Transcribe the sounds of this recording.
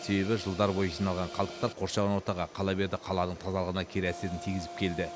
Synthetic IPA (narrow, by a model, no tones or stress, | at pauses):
se̞be̞βɪʒəlˠd̪ɑɾbo̞jʒinɑlˠʁɑɴqʰɑlˠd̪əq̚t̪ɑɾqʰo̞ɾʃɑβɑnwo̞ɾt̪ɑʁɑqʰɑlˠɑbe̞ɾd̪ɪqʰɑlˠɑnəɴt̪ʰɑzɑlˠəʁənɑkʲʰeɾæse̞ɾɪnt̪ʰijɡʲɪzɪp̚kʲʰe̞ld̪ɪ